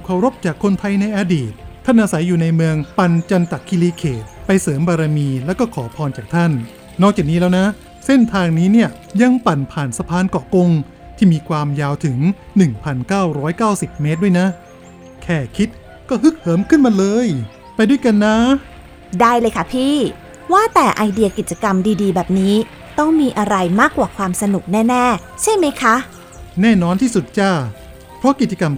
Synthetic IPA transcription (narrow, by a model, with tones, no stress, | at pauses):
kʰa˨˩wɾo˦˥p̚t͡ɕaː˨˩kʰːo˧nt̪ʰa˧jna˧jʔaː˧diː˨˩t̪̚ʰːa˥˩nʔaː˧sa˩˦jːuː˨˩na˧jmɯ˧əŋpa˧nt͡ɕa˧nt̪a˨˩kʰːi˧liː˧kʰeː˨˩t̪̚pa˧jsɤː˩˦mbaː˧ɾa˧miː˧lɛː˦˥wkɔː˥˩kʰɔː˩˦pʰɔː˧nt͡ɕaː˨˩k̚t̪ʰa˥˩nː | ɔː˥˩k̚t͡ɕaː˨˩kniː˦˥lɛː˦˥wna˦˥ | se˥˩nt̪ʰaː˧ŋniː˦˥ni˥˩ɐ | ja˧ŋpa˨˩npʰaː˨˩nsa˧pʰaː˧nkɔː˨˩ko˧ŋ | t̪ʰiː˥˩miː˧kʰwaː˧mjaː˧wt̪ʰɯ˩˦ŋ | nɯ˨˩ŋpʰa˧nkaː˥˩wɾɔː˦˥jkaː˥˩wsi˨˩p̚me˦˥t̪̚du˥˩əjna˦˥ | kʰɛː˨˩kʰi˦˥t̪̚ | kɔː˥˩ɦɯ˦˥k̚hɤː˦mkʰɯ˥˩nma˧lɤː˧j | pa˧jdu˥˩jka˧nːa˦˥ | daː˥˩jlɤː˧jkʰa˦˥˩pʰiː˥˩ | waː˥˩t̪ɛː˨˩ʔa˧jdi˧ɐki˨˩t͡ɕa˧ka˧mdiː˧diː˧bɛː˨˩p̚niː˦˥ | t̪ɔ˥˩ŋmiː˧ʔa˧ɾa˧jmaː˥˩kwaː˨˩kʰwaː˧msa˧nu˨˩k̚nɛː˥˩nɛː˥˩ | t͡ɕʰa˥˩jma˦˥jkʰa˦˥ʔ | nɛː˥˩nɔː˧nt̪ʰiː˥˩su˨˩t̪̚t͡ɕaː˥˩ | pʰɾɔ˦˥ki˨˩t̪̚t͡ɕa˧ka˧m